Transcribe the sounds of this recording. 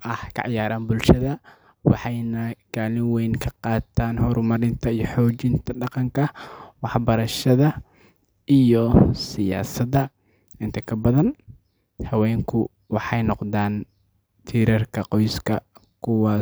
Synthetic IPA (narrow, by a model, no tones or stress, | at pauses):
ʔɐhkʰɐ̰ʕɑjaːɾaːnbʊlʃɐðɐ | wɑħɑjnɐɡ̥aːlɪŋwɛjŋkʰɐqɑːt̪ʰaːnhɔɾmɐɾɪnt̪ʰɐijɔħɔːt͡ʃɪnt̪ʰɐɖɑqɑŋkʰɐwɑħbɐɾɐʃɐðɐ | ʔijɔsɪja̰ːsɐðɐ | ʔɪnt̪ʰɐkʰɐbɐðɐn | hɐwɛːŋkʰʊ | wɑħɑjnɔqðaːn | t̪ʰiːɾɐrkʰɐqɔjskʰɐ | kʰʊwɑː